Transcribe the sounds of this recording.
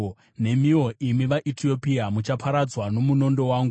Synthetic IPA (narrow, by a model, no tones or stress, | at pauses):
ne̞mio̞ʔimiʋaʔitʰio̞piamut͡ʃapʰaɾad͡zwano̞muno̞ndo̞waːŋɡu